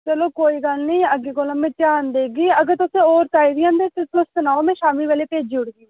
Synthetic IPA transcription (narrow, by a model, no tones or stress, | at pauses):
t͡ʃəloːkoːiːɡəlnĩːəɡeːkoːlãːmɛ̃ːt͡ʃaːnd̪eːɡiːəɡəɾt̪ʊsẽːoːɾt̪aːid̪iːãːnd̪eːt̪eːplʊssənaːoːmɛ̃ːʃaːmiːʋeːleːpeːd͡ʒiːʊɽɡiː